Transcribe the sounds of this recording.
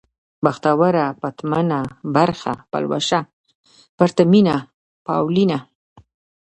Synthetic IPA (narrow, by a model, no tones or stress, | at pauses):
baxt̪awaɾapat̪manabaɾxa̰pa̰lwa̰ʃa | paɾt̪amina | pawlina